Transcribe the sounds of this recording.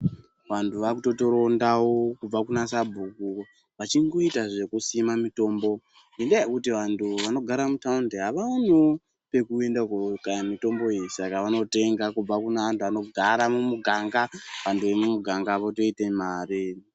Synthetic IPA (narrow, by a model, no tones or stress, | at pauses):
ʋantʰuʋakuto̞to̞ɾo̞ndawokub͡vakunasabʱuku | ʋat͡ʃiŋɡo̞itaʐe̞kusimamito̞ːmbo̞ | ndindejekutiʋantʰuʋano̞ɡʱaɾamutaundeɦaʋano | pe̞kue̞ndakokamito̞mbo̞ejisakaʋano̞te̞ŋɡakub͡vakunaantuʋano̞ɡʱaɾamumuɡʱaŋɡaʋantʰuʋe̞mumuɡʱaŋɡaʋoto̞ite̞maːɾi